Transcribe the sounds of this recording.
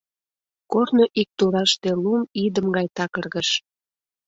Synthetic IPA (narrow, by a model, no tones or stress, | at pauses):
kornoʔik̚t̪uɾɑʃt̪elumid̪əmɡɑjt̪ɑkərɣəʃ